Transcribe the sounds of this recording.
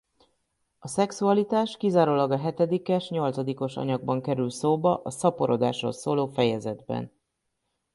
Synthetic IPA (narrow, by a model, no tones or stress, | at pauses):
ɒsɛksuɒlit̪aːʃkizaːɾoːlɒɡɒɦɛt̪ɛd̪ikɛʃɲo̞lt̪sɒd̪iko̞ʃɒ̰ɲɒɡ̚bɒŋkɛɾylt̪soːbɒʔɒsɒpo̞ɾo̞d̪aːʃroːlsoːloːfɛjɛzɛd̪bɛ̰n